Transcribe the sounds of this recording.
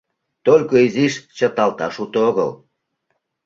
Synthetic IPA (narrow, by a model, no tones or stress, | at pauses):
t̪olʲkoiziʃt͡ɕə̆t̪ɑlt̪ɑʃut̪ooɣə̰l